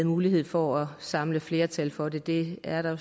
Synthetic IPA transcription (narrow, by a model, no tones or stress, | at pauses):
ð̩ˠmuːliɦe̝ð̞̰ˠfɒɒsɑ̈mləfle̝ːɐt͡sʰælfɒ̽de̝d̥e̝æɐɾ̥ɑ